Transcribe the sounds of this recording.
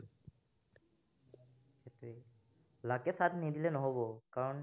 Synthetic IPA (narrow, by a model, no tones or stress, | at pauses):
xetuɛ | lakɛsadnidilɛnɔɦobɔkaɹɔn